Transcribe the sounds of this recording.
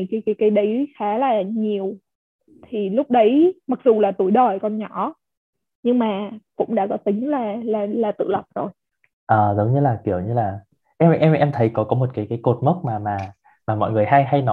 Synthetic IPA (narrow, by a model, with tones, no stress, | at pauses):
kaː˨˦jkaː˨˦jkaː˨˦jɗə˨˦jxaː˨˦laː˨˩ɲi˨˩əw | t̪ʰi˨˩lʊ˦˥k͡p̚ɗə˨˦jma˨˩k̚zu˨˩laː˨˩t̪u˧˩əjɗə˨˩jkɔ˧˩nɲɔ˧˩˥ | ɲɨ˧ŋmaː˨˩kʊ̰˧˥ŋ͡mɗa̰ː˧˥kɔ˨˦t̪ï˨˦ŋ̟laː˨˩laː˨˩laː˨˩t̪ɨ̰˧˨lə˨˩p̚zo˨˩j | ʔəː˨˩zə˨˦wŋ͡mɲɨ˧laː˨˩ki˧˩əwɲɨ˧laː˨˩ | ʔɛ˧mʔɛ˧mʔɛ˧mt̪ʰə˨˦jkɔ˨˦kɔ˨˦mo˨˩t̚kaː˨˦jkaː˨˦jko˨˩t̚mə˦˥t̚maː˨˩maː˨˩ | maː˨˩mɔ̰˧˨jŋɨ˨˩əjɦa˧jɦa˧jnɔ˨˦